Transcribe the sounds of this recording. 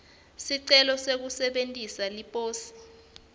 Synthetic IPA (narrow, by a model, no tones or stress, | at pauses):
siǀɛlɔsek̬usɛɓentʼisalipʼoːsi̥